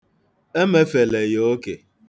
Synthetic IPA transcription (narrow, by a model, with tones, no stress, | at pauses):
e˦me˦fe˨le˨jo˦o˦ke˨